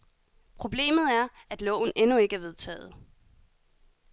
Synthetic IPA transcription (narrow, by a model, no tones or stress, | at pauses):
pʰʁo̝b̥le̝̰ːmð̩ˠæɐæd̥lɔ̰̽ʊ̰n̩enue̝ɡ̥əæɐʋe̝ðˠt͡sʰɛ̰ːð̞̩ˠ